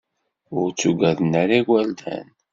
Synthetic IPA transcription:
ʊɾt͡sːuɡæðənæɾiɡæld̪æ̰n

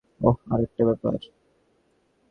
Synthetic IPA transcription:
oaɾek̚ʈabɛpa̰ɾ

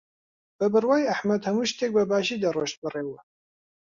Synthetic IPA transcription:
b̥ɐbɨrwaːjaħmɐd̪hɐmuʃt̪ʰeːk̚bɐbaːʒiːd̪ɐroʃt̪̚bɨreːwɐ

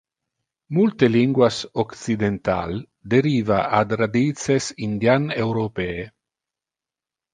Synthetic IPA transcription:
mult̪eliŋɡwasoksid̪ent̪a̰l | d̪eɾiːvaad̪rad̪it̪t͡sesind̪janewɾopeːe

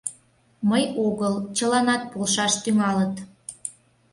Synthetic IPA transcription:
məjoɣəlt͡ɕəlɑnɑt̪̚polʃɑʃt̪yŋɑlət̪

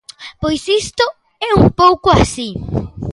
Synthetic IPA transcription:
pojsist̪o | ɛumpowkʊasi

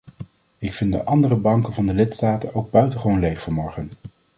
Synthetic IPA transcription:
ɪkfɪndə̰ʔɑndərəbɑŋkənvɑndəlɪtstaːtənowɡ̚bœɥtəχəʋownlejχfɔɹmɔɹχən

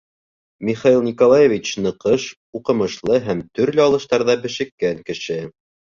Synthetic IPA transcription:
mʲiχailˠnʲikolˠajevʲit͡ɕnɤ̆qɤʃ | uqɤ̆mɤ̆ʃlˠɤɦæmt̪ɵ̆ɾlɘɑlˠɤ̆ʃt̪ɑɾðɑbɘ̆ʃɘ̆kːæŋkɘ̆ʃɘ

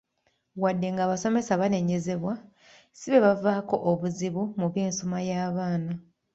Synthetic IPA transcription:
wadːe̞ŋɡaːβaso̞me̞saβane̞ɲe̞ze̞βwa | siβe̞βavaːko̞ʔoβuziβumuβje̞ːnsomajaːβaːna

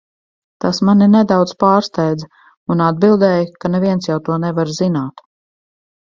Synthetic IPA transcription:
t̪asmaninɛd̪awd̪z̥paːɾst̪ɛjd̪z | unad̪̚bilˠd̪ɛːjkanɛviɛnsjawt̪uɔnɛvaɾzinaːt̪

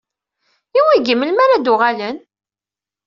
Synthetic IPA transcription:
iwiɡəmːəlmaɾad̪ʊʁalən

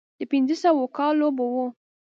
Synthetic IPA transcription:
d̪əpɪnzəsawokɑlːobowo

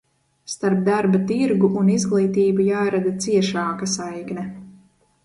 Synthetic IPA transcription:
st̪aɾp̚d̪aɾbat̪iɾɡuʔunizɡlˠiːt̪iːbujaːɾad̪at̪siɛʃaːkasajknɛ

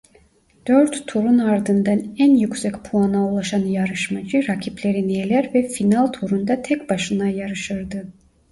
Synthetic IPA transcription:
d̪̥øɾt̪ːʰuɾunaɾd̪ɯnd̪anænjycʲsɛcpʰuanaulˠaʃanjaɾɯʃmad͡ʒɯɾacʰiplʲe̞ɾinijelʲæɾvɛfinalˠt̪ʰuɾund̪at̪ʰɛcbaʃɯnajaɾɯʃɯɾd̪ɯ

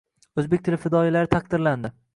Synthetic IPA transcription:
ɵzbek̚ʲt̪ʰɪlɪfɪd̪ɒjilaɾɪt̪ʰakd̪ɪɾland̪ɪ

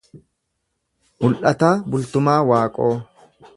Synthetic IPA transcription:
mʊlʔɐt̪aːbʊlt̪ʊmaːwaːkʼoː

